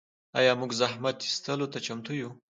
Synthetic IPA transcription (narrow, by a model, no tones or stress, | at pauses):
ɑ̰jɑmuɡzaɦmat̪i̥st̪əlot̪at͡ʃamt̪uju